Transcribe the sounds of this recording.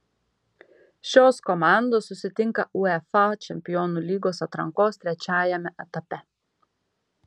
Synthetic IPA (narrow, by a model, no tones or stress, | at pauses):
ʃʲoːskɔmaˑnd̪oːsːʊsʲɪt̪ʲɪŋkɐʔuɛfɑt͡ʃʲɛmʲpʲɪjonulʲiːɡoːsɐt̪ɾɐŋkoːst̪ʲɾʲɛt͡ʃʲæːjɛmʲɛʔɛt̪ɐpʲɛ